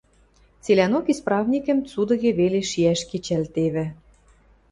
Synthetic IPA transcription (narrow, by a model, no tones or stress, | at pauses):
t͡selʲænokisprɑvnʲikə̆mt͡sud̪ɤ̆ɣĕβeleʃiæʃket͡ɕælt̪eβɘ̆